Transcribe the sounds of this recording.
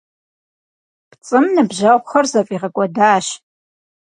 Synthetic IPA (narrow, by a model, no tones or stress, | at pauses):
pt͡sʼɨmnɨbʒɐʁʷχɐrzɐfʼiːʁɐkʷʼɔdaːʃ